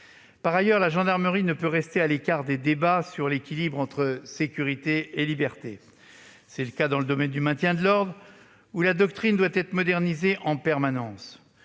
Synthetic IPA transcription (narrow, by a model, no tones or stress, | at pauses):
paʁajœʁlaʒɑ̃d̪aʁməʁinəpøʁɛst̪ealekʲaʁd̪ed̪ebasyʁlekʲilibʁɑ̃t̪χəsekʲyʁit̪eelibɛʁt̪e | sɛləkad̪ɑ̃ləd̪ɔmɛnd̪ymɛ̃t̪jɛ̃d̪əlɔʁd̪ʁ | ulad̪ɔk̚t̪χind̪wat̪ɛt̪χəmɔd̪ɛʁnizeʔɑ̃pɛʁmanɑ̃s